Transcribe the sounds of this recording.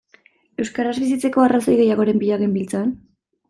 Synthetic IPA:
e̞wskaɾazβis̬it͡se̞ko̞araso̞jɣe̞jaɣ̞o̞ɾe̞mbiʎaɣe̞mbilt͡saan

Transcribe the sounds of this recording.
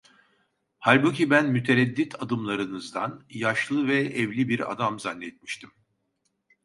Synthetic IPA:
halʲbucibænmyt̪ʰe̞ɾɛd̪ːit̪ʰad̪ɯmlˠaɾɯnɯzd̪anjaʃlˠɯvɛɛvlʲibiɾa̰d̪amzanːɛt̪̚mi̥ʃt̪ʰim

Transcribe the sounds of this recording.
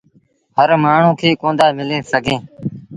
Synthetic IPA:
həɾmaːɳ̤ũːkʰeːkõːd̪aːmɪlẽːsəɡʱẽː

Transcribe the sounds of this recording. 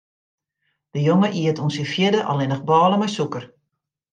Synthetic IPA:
d̥əjoŋəʔiətunsifjɪdəʔɔ̰lɪnəxbɔːləmɛjsukər

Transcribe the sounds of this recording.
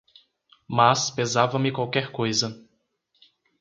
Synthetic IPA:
maspezavɐmɪkwawkɛɾkojzɐ

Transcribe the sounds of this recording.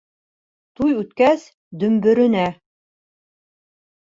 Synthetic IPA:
t̪ujʉt̪kæs | d̪ɵ̆mbɵ̆ɾɵ̆næ

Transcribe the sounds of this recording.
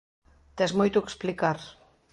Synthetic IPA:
t̪ɛzmojt̪oke̥splikaɾ

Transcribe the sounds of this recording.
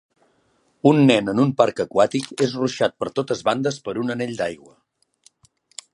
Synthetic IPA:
unːɛnənumpaɾkəkwat̪ikezruʃat̪̚pəɾt̪ot̪əzβand̪əspəɾunənɛʎd̪ajɣwə

